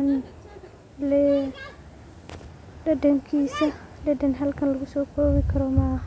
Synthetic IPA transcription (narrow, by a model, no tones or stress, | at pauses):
n | lɛ | dɐdɐŋkʰiːsɐdɐdɐnɦɐlkʰɐnlɐɣʊsɔːkʰɔːβɪkʰɐɾɔmɐhɐ